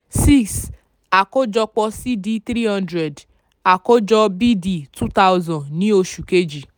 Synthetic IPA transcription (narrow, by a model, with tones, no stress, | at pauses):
si˦ks | a˨ko˦d͡ʒɔ˧k͡pɔ˧si˦di˦t̪ɾi˦hã˦ndɾɛ˨d | a˨ko˦d͡ʒɔ˧bi˦di˨tu˦ta˦wzɔ̃˨nnĩ˦o˧ʃu˨ke˦d͡ʒi˨